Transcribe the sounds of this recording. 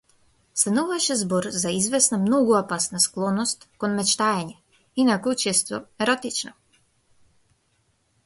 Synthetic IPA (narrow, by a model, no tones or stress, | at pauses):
st̪anuvaʃɛzbɔɾzaizvɛsnamnɔɡuapasnasklˠɔnɔst̪kɔnmɛt͡ʃt̪aɛɲɛ | inakɔt͡ʃɛst̪ɔɛɾɔt̪it͡ʃnɔ